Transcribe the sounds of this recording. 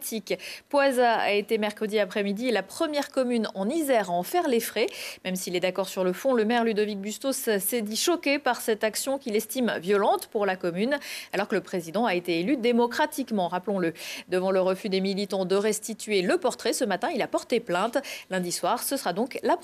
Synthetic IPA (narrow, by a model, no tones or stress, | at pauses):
t̪ʰikpwazaa̰et̪emɛʁkχəd̪iapχɛmid̪ilapχəmjɛʁkɔmynɑ̃nizɛʁaɑ̃fɛʁlefχɛmɛmsilɛd̪akɔʁsyʁləfɔ̃ləmɛʁlyd̪ɔvik̚byst̪ossɛd̪iʃɔkepaʁsɛt̪aksjɔ̃kʲilɛst̪imvjɔlɑ̃t̪puʁlakɔmynalɔʁkələpχezid̪ɑ̃aet̪eːlyd̪emɔkχat̪ikmɑ̃ʁaplɔ̃ləd̪əvɑ̃ləʁəfyd̪emilit̪ɑ̃d̪əʁɛst̪it̪ɥeləpɔʁt̪χɛsəmat̪ɛ̃ilapɔʁt̪eplɛ̃t̪lɛ̃d̪iswaʁsəsəʁad̪ɔ̃kla